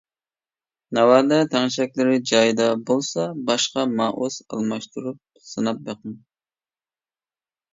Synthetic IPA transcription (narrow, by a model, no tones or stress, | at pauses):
nɑwɑd̪ɛt̪ʰæŋʃɛkʲlɪɾɪd͡ʒɑjid̪ɑbolˠsɑbɑʃqɑmɑʔosɑ̰lˠmɑʃt̪uɾup̚ | sɨnɑp̚beqɨn